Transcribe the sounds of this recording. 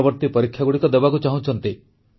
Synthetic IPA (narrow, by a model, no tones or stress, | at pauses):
bɔɾt̪ipɔɾikʰːjaɡuɽikɔd̪ebakut͡ʃaɦũt͡ʃʰɔnt̪i